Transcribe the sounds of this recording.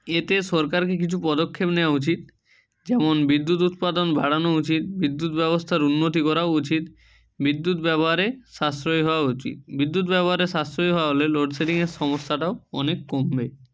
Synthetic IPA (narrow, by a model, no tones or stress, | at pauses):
et̪esɔɾkaɾk̬ek̬it͡ɕʰupɔd̪okʰːepneoaut͡ɕit̪̚ | d͡ʑɛmonbid̪ːut̪̬ut̪̚pad̪onbʱaɽanout͡ɕit̪̚bid̪ːut̪bɛbost̪ʰaɾunːot̪̬ikɔɾaut͡ɕit̪ | bid̪ːut̪bɛboɦaɾeʃast̪ɾojɦɔoaut͡ɕḭt̪̚bid̪ːut̪̬bɛboɦaɾeʃast̪ɾojɦɔaɦoleloɖseʈiŋeɾʃɔmosːaʈaoɔ̰nekːombe